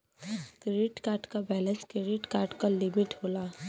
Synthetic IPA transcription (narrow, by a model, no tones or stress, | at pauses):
kɾeɪʈkaːɾʈkabɛːlə̃nskɾeɖɪʈkaːɾʈkalɪmɪʈɦoːlaː